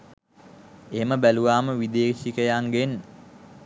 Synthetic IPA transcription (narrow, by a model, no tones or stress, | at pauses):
eɦeməbæluʋaːməʋid̪eːʃikəjaŋɡen